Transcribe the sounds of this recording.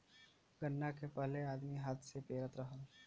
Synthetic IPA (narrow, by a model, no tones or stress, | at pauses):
ɡənːakepəɦleaːd̪miɦaːt̪sepeːɾət̪ɾɐɦəl